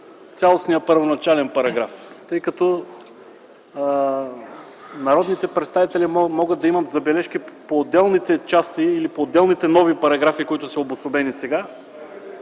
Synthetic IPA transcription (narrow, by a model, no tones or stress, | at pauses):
t̪sʲalˠosnijəpəɾvonɐt͡ʃalɛnpɐɾɐɡɾaft̪ɤjkɐt̪ɔ | nɐɾɔd̪nit̪ɛpɾɛt̪st̪avit̪ɛlimɔɡəd̪̚d̪ɐimɐt̪zɐbɛlɛʃkipoːd̪ːɛlˠnit̪ɛt͡ʃast̪iːlipoːd̪ːɛlˠnit̪ɛnɔvipɐɾɐɡɾafikoit̪ʊsɐobʊsʊbɛnisɛɡa